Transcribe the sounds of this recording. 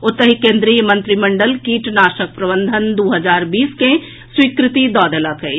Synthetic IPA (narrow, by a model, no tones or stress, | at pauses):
ot̪ːəɦikẽːnd̪ɾiːjəmə̃nt̪ɾiməɳɖəlkiːʈnaʃək̚pɾəbənd̪ʱənd̪uːɦəd͡ʒaːɾbiːske | swikɾɪt̪id̪ɔːd̪əlake